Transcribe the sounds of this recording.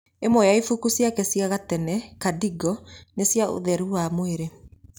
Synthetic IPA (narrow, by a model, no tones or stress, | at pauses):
emojaifukusjakɛsiaɣatɛnɛkadiɡɔnesjaʔo̰ðɛɾuamoeɾe